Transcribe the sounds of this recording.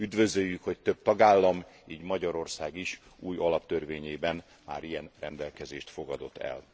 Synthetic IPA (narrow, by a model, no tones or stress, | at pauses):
yd̪vø̞zøjːykho̞c̚t̪øb̚t̪ɒɡaːlːɒmiːɟmɒɟɒɾo̞rsaːɡiʃ | uːjɒlɒpt̪ørveːɲeːbɛn | ma̰ːɾijɛnrɛnd̪ɛlkɛzeːʃt̪fo̞ɡɒd̪o̞t̪ːɛ̰l